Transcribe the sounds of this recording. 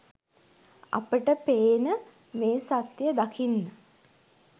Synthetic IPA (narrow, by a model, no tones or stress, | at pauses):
ɐ̰pəʈəpeːnə | meːsat̪jəd̪akʰinːə